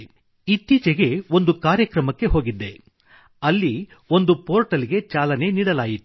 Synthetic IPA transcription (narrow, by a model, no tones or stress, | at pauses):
it̪ːit͡ʃɛɡe̞o̞nd̪ukaːɾjɐkɾɐmɐkːe̞ɦoːɡid̪ːe̞ | ɐlːi | o̞nd̪upo̞ːɾʈɐliɡe̞t͡ʃaːlɐne̞niːɽɐlaːjit̪ːu̥